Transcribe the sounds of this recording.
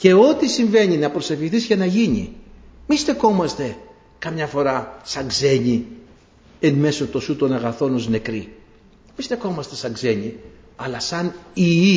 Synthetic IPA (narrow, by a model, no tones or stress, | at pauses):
ce̞o̞t̪isiɱve̞ɲinɐpɾo̞se̞fçiθizʝɐnɐʝiɲḭmist̪e̞xo̞mɐst̪e̞ | kɐmɲɐfo̞ɾɐsɐɡze̞ɲi | enme̞so̞t̪o̞sut̪o̞nɐɣɐθo̞no̞zne̞kɾi | mist̪e̞xo̞mɐst̪e̞sɐɡze̞ɲi | ɐlɐsɐnii